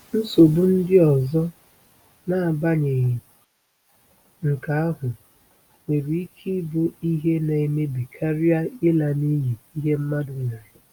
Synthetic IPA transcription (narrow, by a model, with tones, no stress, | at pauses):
n̩˦so˨bʊ˦n̩˦dɪ˦ɔ˨zɔ˦ | na˨a˨ba˦ɲe˨ɣi˨ | ŋ̩˨ka˨a˦ɦʊ˨ | ŋʷe˨ɾi˨i˦kʰi˦bo˦i˦ɦe˦na˨i˨me˦bi˨kʰa˦ɾi˦a˦ɪ˦la˨ni˦ɦi˨i˦ɦe˦m̩˦ma˦dʊ˨na˨ɲɪ˨